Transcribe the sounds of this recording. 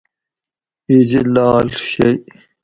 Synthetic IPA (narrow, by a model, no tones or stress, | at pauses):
id͡ʑlaːlɕej